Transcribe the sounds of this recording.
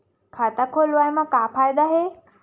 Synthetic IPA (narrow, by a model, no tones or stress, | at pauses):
kʰat̪akʰolʋajməkːapʰajd̪aɦe